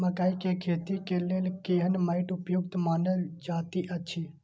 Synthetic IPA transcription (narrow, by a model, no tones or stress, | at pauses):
mãkaikekʰeːt̪ikeleːlkeːɦənmaːɪʈʊpjʊɡ̚t̪maːnəld͡ʒaːt̪iʔət͡ʃʰi